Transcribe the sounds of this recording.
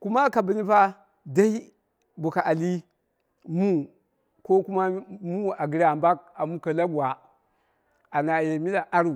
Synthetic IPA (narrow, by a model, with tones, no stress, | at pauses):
ku˦ma˦ka˨bi˨ni˦pa˦ | da˦i˦ | bu˨ka˨ʔa˨li˦ | mu˦ | ko˦ku˦ma˦mu˦a˨ɡi˨ɾa˨mba˦k̚a˨mu˦ka˨la˦ɡu˨wa˨ | a˨na˨je˨mi˦la˨ʔa˦ɾu˨